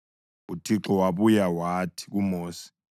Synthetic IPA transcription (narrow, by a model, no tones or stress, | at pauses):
utʰiǁɔwaɓujawatʰi̥k̬umoːsi̥